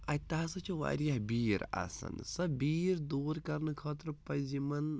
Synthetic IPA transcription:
ɐt̪aːsɐt͡ʃʰuʋa̰ːɾijɐɦbiːɾa̰sɐ̰nsɐbiːɾd̪uːɾkɐɾnɨkʰɐːt̪ɾɨpɐzimɐn

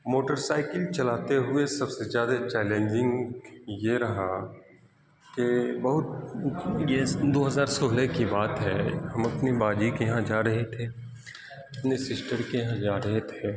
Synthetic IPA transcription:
moːʈəɾsaːɪkəlt͡ʃɐlaːt̪eɦʊesɐbsezjaːd̪at͡ʃɛːlẽːnd͡ʒɪ̃ŋɡjeɾɐɦa | kebɐɦʊt̪ | jed̪oːɦɐzaːɾsoːlekibaːt̪ɦɛːhɐmɐpnibaːd͡ʒikejɦãd͡ʒaːɾɐɦet̪ʰeː | ɐpnesɪsʈəɾkejɐɦãd͡ʒaːɾɐɦet̪ʰeː

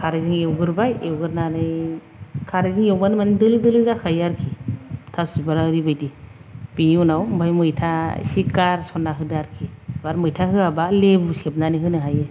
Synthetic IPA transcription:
kʰaɾziŋewɡɯɾbajewɡɯɾnanɯj | kʰaɾziŋewbanɯmanidɯlidɯlizakʰajaɾkʰitʰasubaɾaɯɾibajdib̥iniunawmbʱajmɯjtʰa̰sikaɾsɔnːaɦɯdaɾkʰibaɾmɯjtʰaɦɯabalebuseb̚nanɯɦɯnɯɦajɯ

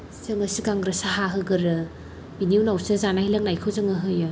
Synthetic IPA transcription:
zɯŋɐsikaŋɡɾesaɦaɦɯɡɯɾɯ | biniuwnawsɯzanailɐŋnajkʰɯwzɯŋɯɦɯjɯ

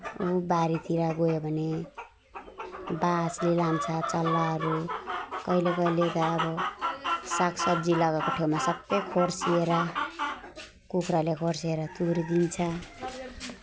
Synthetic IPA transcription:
obaɾit̪iɾaɡojobʱʌne | baslilant͡sʰʌt͡sʌlːaɦʌɾukʌilekʌilet̪ʌːbʌ | sakʰsʌbd͡zilʌɡakoʈʰewmasʌbʌjkʰorsieɾʌ | kukʰɾalekʰorsieɾʌt̪uɾd̪int͡sʰʌ

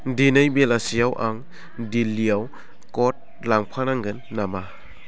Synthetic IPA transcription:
dinajbelasijawʔaŋ | dilːijaw | kɔt̚ | laŋpʰanaŋɡɯnːama

